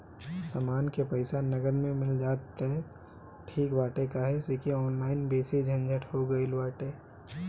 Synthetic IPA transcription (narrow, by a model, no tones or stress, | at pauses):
samaːnkepɐɪsanɐɡəd̪mẽmɪld͡ʒaːt̪eɦɛ | ʈʰiːkbaːʈekaɦɛsekiɔːnlaːɪnbeːsid͡ʒʱɐ̃nd͡ʒʱəʈhoɡɐilʋaːʈe